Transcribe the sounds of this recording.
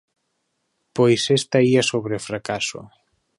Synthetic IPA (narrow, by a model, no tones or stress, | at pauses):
pojsest̪aiasoβɾefɾakaso̰